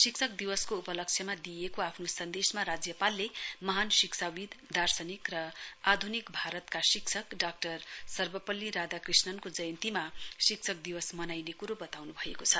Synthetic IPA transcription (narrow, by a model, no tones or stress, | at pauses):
sikt͡sʰʌk̚d̪iwʌskoupʌlʌk̚t͡sʰjʌmad̪ijekoapʰnosʌnd̪esmaɾad͡zjʌpalːemʌɦansiksʰawid̪d̪ʱarsʌnikrʌad̪ʱunikbʱaɾʌt̪kasikt͡sʰʌkɖak̚ʈʌrsʌrbʌpʌlːiɾad̪akrisnʌnkod͡zʌjʌnt̪imasik̚t͡sʰʌk̚d̪iwʌsmʌnajnekuɾobʌt̪awnubʱʌekot͡sʰʌ